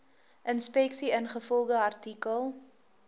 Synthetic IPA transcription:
ʔənspɛksiənχəfɔlˠdəɐrtikəlˠ

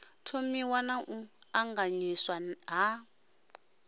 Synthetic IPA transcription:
tʰomiwanaʔuaŋɡaɲiswaɦa

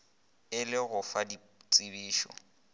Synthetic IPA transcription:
ɪlɪɣʊfadi | t͡sʼɪbiːʃɔ̰

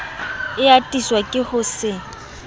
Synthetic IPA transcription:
ɪatʼiswakʼɪhʊsɪ

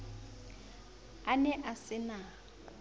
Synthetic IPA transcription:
anɛʔasɪna

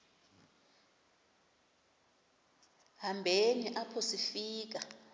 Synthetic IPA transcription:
ɦambʱeniʔapʰosifiːk̬a

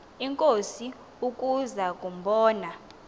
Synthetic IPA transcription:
iŋkʼosi | ukʼuzakʼumbɔːna

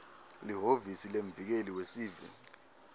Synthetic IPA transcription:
liɦovisileɱvik̬eliwesiːvɛ̰

